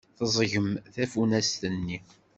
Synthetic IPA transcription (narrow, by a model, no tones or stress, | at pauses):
θəzˤʝəmθæfunæst̪ənːi